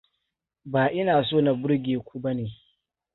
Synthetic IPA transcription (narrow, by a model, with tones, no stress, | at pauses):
baː˨ʔɪ˦naː˨soː˦˨na˨bʊ˦ɽɡʲeː˨kʷu˦ba˦neː˨